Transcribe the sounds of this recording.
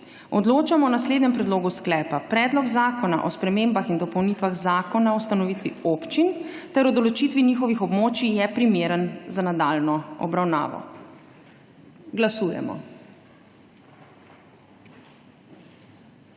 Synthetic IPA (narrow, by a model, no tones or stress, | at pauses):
ɔd̪loːt͡ʃamɔnasleːd̪nɲɛmpɾɛd̪loːɡusklɛːpapɾɛːd̪lɔɡzaːkɔna̰ʔɔspɾɛmeːmbaxind̪ɔpɔwnit̪ʋaɣzaːkɔnaɔwst̪anɔʋit̪ʋioːpt͡ʃint̪ɛɾɔd̪ɔlɔt͡ʃit̪ʋinixɔʋixɔbmoːt͡ʃijɛpɾimeːɾənzanad̪aːlnɔɔ̰bɾawna̰ːʋɔ̰ | ɡlasuːjɛ̰mɔ̰